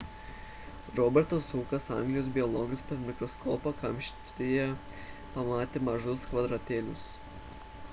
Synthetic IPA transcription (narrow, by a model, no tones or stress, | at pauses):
ɾɔːbʲɛɾt̪ɐsuːkɐsɑ̰ˑŋɡlʲɪjoːs̬bʲɪɔlˠɔːɡɐspʲɐɾmʲɪkɾɔskʰɔːpɐkɐmʲʃʲt̪ʲɪjɛ | pɐmɑːt̪ʲeːmɐʒʊskʋɐd̪ɾɐt̪ʲeːlʲʊs